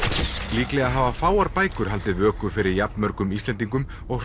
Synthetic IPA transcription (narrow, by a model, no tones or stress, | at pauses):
liːklɛɣaɦaːvafaːwaɾpaːjkʏɾ̥ɦal̪t̪ɪvœːkʏfɪɾɪɾjapnmœɾkʏmist̪lɛnt̪̬iŋkʏm | ɔɣ